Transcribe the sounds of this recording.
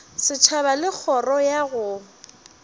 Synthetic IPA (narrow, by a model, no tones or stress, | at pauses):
sɪt͡ʃʰaβalɪk͡xʰɔrɔjaɣʊ